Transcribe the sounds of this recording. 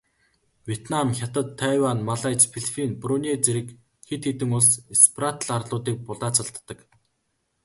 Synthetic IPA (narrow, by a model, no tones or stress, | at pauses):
wʲjet̪namxʲat̪ə̆t̪ʰːæwanmaɮaːt͡ɕpʰeɮpʰinprunet͡seɾɘ̆k | xet̪xet̪ɘ̆ŋʊɮsesprat̪ɮarɮʊːt̪iːk̚pʊɮaːt͡sʰə̆ɮt̪ːə̆k